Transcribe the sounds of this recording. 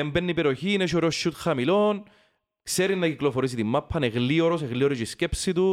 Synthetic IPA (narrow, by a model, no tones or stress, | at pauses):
embenːipeɾioçiːneʃoɾoʃːut̪xɐmilon | kseɾinːɐkiklofoɾis̬it̪imːɐpʰːɐneɣlioɾoseɣlioɾit͡ʃiscepsit̪u